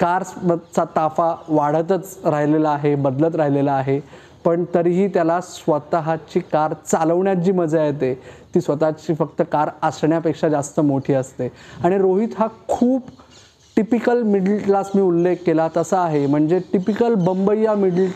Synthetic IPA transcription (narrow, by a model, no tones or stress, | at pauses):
kaɾsət͡sat̪afaʋaɽ̤ət̪ət͡sɾaɦilelaːɦebəd̪lət͡sɾaɦilelaːɦe | pəɳt̪əɾiɦiːt̪jalasʋət̪aɦat͡ɕiːkaɾt͡saləʋɳjat͡ɕiːməd͡zajet̪et̪iːsʋət̪at͡ɕiːfək̚t̪əkaɾasɳjapekʂad͡zast̪əmoʈʰiːəst̪eaɽ̃iɾoɦit̪ɦakʰuːb | ʈipikəlmiɽəllasmiːulːekːelat̪əsəaɦem̤əɳd͡zeʈipikəlbəmbəjamiɽəl